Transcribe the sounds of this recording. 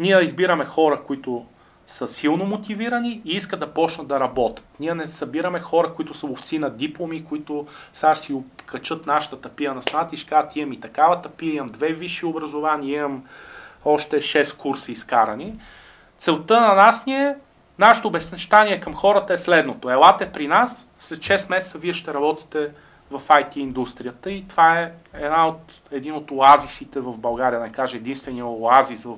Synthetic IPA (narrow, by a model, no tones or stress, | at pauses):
niɛizbiɾɐmɛxɔɾɐkoit̪ʊ | səsilˠnomot̪iviɾɐniːiskəd̪d̪ɐpɔt͡ʃnəd̪d̪ɐɾɐbɔt̪ə̥t̪niɛnɛsɐbiɾɐmɛxɔɾəkʊit̪ʊsəoft̪sinɐd̪iplˠomikoit̪ʊsaʃsiokʰɐt͡ʃɤt̪naʃə̥t̪ət̪ɐpiənɐsnat̪iʃkat̪imɐmit̪ɐkavɐt̪ɐpiəimɐmd̪vɛviʃiobɾɐzovaniimɐm | ɔʃt̪ɛʃɛskuɾsiːskaɾɐni | t̪sɛlˠt̪ɤnɐnasnʲiɛ | naʃɛ̥t̪oːbɛsnɛʃt̪aniɛkəmxɔɾət̪əɛslɛd̪not̪oɛlˠat̪ɛpɾinasːlɛt̪ʃɛsmɛsɛt̪səviɛʃt̪ɛɾɐbɔt̪i̥t̪ɛ | vɐfajt̪iːnd̪ust̪ɾijət̪əit̪ovaɛɛd̪naot̪ | ɛd̪inot̪oazisit̪ɛvɐvbɐlˠɡaɾiədnɛkaʒɛɛd̪inst̪vɛnijəoazisvəf